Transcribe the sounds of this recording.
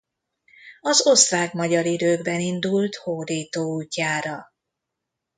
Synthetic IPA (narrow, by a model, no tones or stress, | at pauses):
ɒzost̪vaːkmɒɟɒɾid̪øːɡbɛnind̪ult̪hod̪iːt̪oːuːcːaːɾɒ